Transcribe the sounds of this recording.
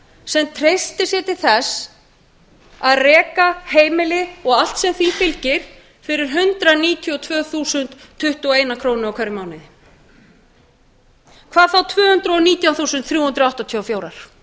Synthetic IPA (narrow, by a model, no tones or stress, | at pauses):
sɛmt̪ʰɾejst̪ɪsjɛt̪ɪɾθɛs | aðrɛːkaheːjmɪlɪɔɣal̥t̪sɛmθifɪlcɪɾ̥ | fɪɾɪɾ̥ɦʏnt̪ɾaniːt̪ʰjiɔt̪ʰvœːθuːsʏnt̪ʰːʏht̪uɔeːjnakʰɾoːwnɪawkʰaɾʏmaːwnɪðɪ | kʰvaːðθawt̪ʰvœːhʏnt̪ɾʏɔniːt̪jaw̪θuːsʏnt̪θɾjuːhʏnt̪ɾawht̪at̪ʰiɔfjoːwɾaɾ̥